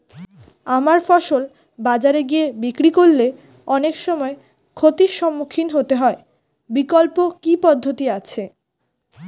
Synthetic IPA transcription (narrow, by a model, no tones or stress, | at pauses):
amaɾfɔʃol | bad͡ʑaɾeɡiebikɾikolle | ɔnekʃɔmɔe | kʰot̪iɾʃɔmːukʰinɦot̪eɦɔe | bikolpokipɔd̪ʱːot̪iat͡ɕʰe